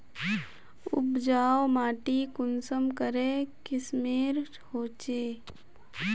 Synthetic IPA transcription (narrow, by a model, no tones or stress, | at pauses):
ʊ̰bd͡ʒaːwmaːʈikʊnsəmkəɾeːkɪsmeːɾ | hoːt͡ʃeː